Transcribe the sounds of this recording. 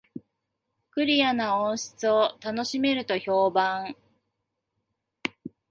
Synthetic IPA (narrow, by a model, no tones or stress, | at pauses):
kɯ̟ɾʲijanaõɰ̃ɕi̥t͡sɨot̪ano̞ɕime̞ɾɯ̟t̪o̞ço̞ːbãŋ